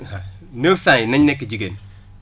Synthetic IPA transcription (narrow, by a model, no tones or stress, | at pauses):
a | nefsajnɐɲnɛkːid͡ʒiɡen